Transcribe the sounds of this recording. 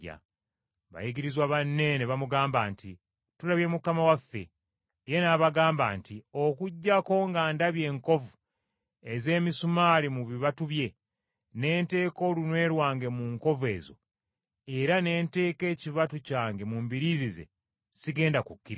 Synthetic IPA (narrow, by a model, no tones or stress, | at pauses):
a̰ | βa̰jiɡiɾizwaβanːe̞neβamuɡaːmbaːnti | tulaβje̞mukamawafːe̞̰ | je̞naβaɡaːmbaːntio̞kuɟːako̞ŋɡaːndaβje̞ːŋko̞vu | e̞ze̞ːmisumaːlimuβiβatuβje̞ | ne̞ːnte̞ːko̞lunwe̞ːɾwaːŋɡe̞muŋko̞ve̞̰ːzo̞̰ | eɾane̞ːnte̞ːke̞ːciβatucaːŋɡe̞mumbiɾizize̞̰ | siɡe̞ːndakukːiɾa